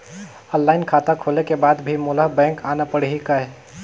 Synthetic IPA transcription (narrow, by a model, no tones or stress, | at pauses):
ə̃lːaːɪnkʰaːt̪akʰoːlekebaːd̪bʱimʊləɦbɛ̃ːŋkaːnapəɽ̤ɦikəe